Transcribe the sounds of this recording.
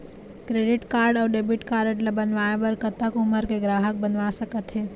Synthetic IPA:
kɾeːɖɪʈkaːɾɖɔːɾɖeːbɪʈkaːɾəʈləbənʋaːeʋəɾkət̪ːəkʊməɾkeɡɾaːɦək̚bənʋasəkət̪ɦɛː

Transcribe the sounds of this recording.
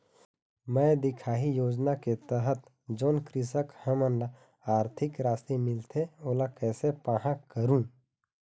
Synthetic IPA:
mɛ̃ːd̪ɪkʰaːɦijoːd͡ʒnaket̪əɦət̪ | d͡ʒoːnkɾɪs̬əkhəmənla | aːɾt̪ʰɪkɾaːst̪imɪlt̪ʰeoːlakɛːsepaɦãkəɾũː

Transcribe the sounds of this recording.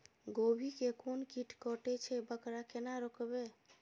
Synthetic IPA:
ɡobʱikekonkiʈkɔʈɛt͡ʃʰɛbəkɾakenaɾɔkbe

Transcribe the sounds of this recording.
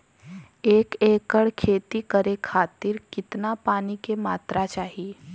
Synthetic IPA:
eːkeːkəɽkʰeːt̪ikəɾekʰaːt̪ɪɾkɪt̪napaːnikemaːt̪ɾat͡ʃaːɦi

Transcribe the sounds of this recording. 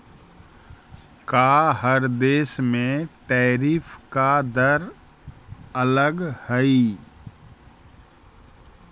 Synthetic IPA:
kaɦəɾd̪eːsmẽt̪ɛːɾiːfkad̪əɾ | ələɡhəi

